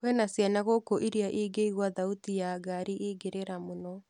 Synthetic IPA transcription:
kwɛnasjanaɣokoʔiɾiaʔiɡeiɣwaðautijaɡaɾiʔiɡeɾeɾamonɔ

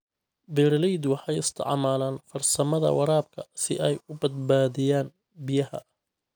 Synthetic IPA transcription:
bɛːɾɐlɛjd̪wɑħɑjɪst̪ʰɪ̰ʕmaːlaːnfɐrsɐmɐðɐ̰wɑɾaːb̚kʰɐsɪʔɛjʊbɐd̪baːðɪjaːn | bɪjɐhɐ̰

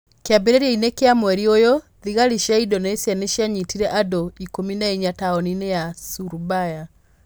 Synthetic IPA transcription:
keabeɾeɾiainekeamwɛɾiojɔ | ðiɣaɾiʃjaidɔneesjaneʃjaɲitiɾɛʔadoikominaeɲataɔninejasuɾubaja

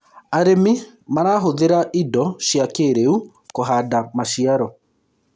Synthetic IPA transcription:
aɾemi | manaːɦoðeɾaʔidɔʃjakeːɾeu | koɦaːdamaʃiaɾɔ

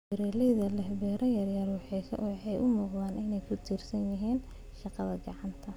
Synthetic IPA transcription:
ɪɾɛːlɛjðɐlɛhbɛːɾɐjɐrjɐrwɑħʰɑħɑjʔʊmuːqðaːnʔɪnɛjkʰʊt̪ʰiːrsɐnjɪɦiːn | ʃɑqɑðɐɡɑʕɑnt̪ʰɐ

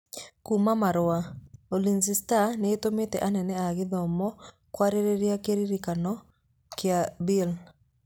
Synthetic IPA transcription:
kumamaɾʊaolinsistaneːtometɛ̰ʔanɛnɛaɣɪðɔmɔ | kwaɾeɾeɾjakeɾiɾikanɔ | kɪabil

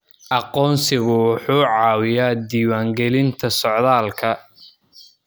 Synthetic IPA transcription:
ʔɑqɔːnsɪɣʊwʊħuːʕɑːwɪjaːd̪iːwaːŋɡɛlɪnt̪ʰɐsɔʕðaːlkʰɐ

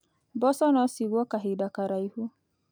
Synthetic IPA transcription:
bɔsɔnɔsiɡʷɔkaɦɪdakaɾaihu

